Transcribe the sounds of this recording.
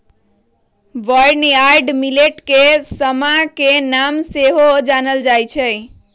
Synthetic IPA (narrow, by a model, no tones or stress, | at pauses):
ʋəɾnaɾɖmileʈkesəmakenamseɦod͡ʒanəld͡ʒajt͡ʃʰəj